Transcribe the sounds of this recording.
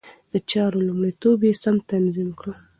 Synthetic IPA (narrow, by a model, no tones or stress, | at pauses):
d̪̥ət͡ʃɑɾolumɽit̪objesamt̪anzimkɽu